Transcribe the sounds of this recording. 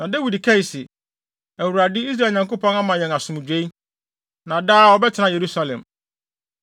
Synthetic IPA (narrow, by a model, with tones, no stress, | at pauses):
nã˨dæ˦wi˨dkʰa˦i˨sɪ˨ | æ˨wu˨ɾa˨dɪ˦i˦s̬ɾa˦˨lɲã˨ŋko˦pʰɔ̃˦na˦mã˨jɛ̃˨na˨sʊ̃˨mũ˨d͡ʑᶣe˦i˦ | nã˨daː˦ɔ˦bɛ˦tʰɪ˨nã˦je˨ɾu˦sa˦lɛ̰̃˨m